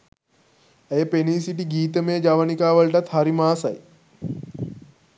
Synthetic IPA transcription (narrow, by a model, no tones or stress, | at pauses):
ejəpeniːsiʈiɡiːt̪əmejəd͡ʒaʋənikaːʋəɭʈat̪haɾimaːsɐ̰j